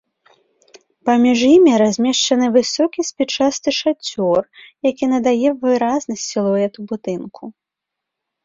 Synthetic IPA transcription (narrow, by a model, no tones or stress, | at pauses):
pamʲiʐjimʲiɾazʲmʲɛʂt͡ʂɐnɨvɨsɔkʲisʲpʲit͡ʂast̪ɨʂat͡sʲɔrjakʲinɐd̪ajɛvɨɾaznɐsʲsʲilˠɔɛt̪ubud̪ɨnkʰu